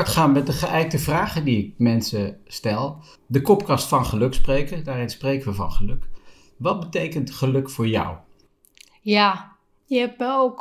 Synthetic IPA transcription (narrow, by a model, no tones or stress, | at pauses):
ɹtχaːnmɛt̚dəχəʔɛjk̚təvraːχədiɪk̚mɛnsəstɛlˠ | dəkɔpkɑstfɑnχəlɵksprejkədaːɾɪnsprejkəʋəvɑ̰nχəlɵk | ʋɑt̚bətejkəntχəlɵkfʊːɹjʌ̰w | ja | jəɛp̚məowk